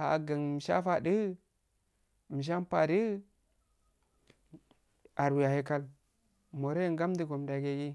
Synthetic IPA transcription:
a˨ɡa˨ŋ˨m˨ʃa̰˦fa˨də˦ | mi˨ʃ̬a˦m˦pa˨di˦ | a˨ɾwi˨ja˨he˦ka˦l | mo˨ɾe˦jŋɡa˦m˦di˨ɡo˨m˨da˨ɡe˦ɡi˦

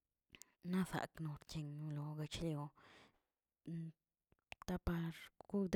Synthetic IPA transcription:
na˦sa̰˨kno˧ɾkʲe˧ŋnu˧lo˨ɡa˧t͡ʃljo˧ | t̪a˦pa˧ɾɡ̥u˦d̪

